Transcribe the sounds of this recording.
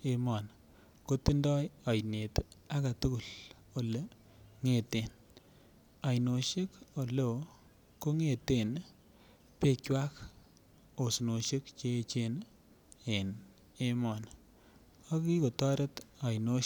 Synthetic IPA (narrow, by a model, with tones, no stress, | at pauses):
e˦mɔ˨n | ko˦ti˦ndɔ˦ja˨jne˨ta˦ka˨tu˦ku˨l | o˨le˦ | ŋe˨te˨n | a˨jno˨ʃe˦ko˨lo˨ | ko˦ŋe˦˨te˨n | pe˨t͡ʃwa˦k | o˨sno˨ʃe˦kt͡ʃe˦t͡ʃe˦n | e˨n | e˦mɔ˨n | ɔ˦ki˦ko˨tɔ˦ɾe˦ta˨jno˦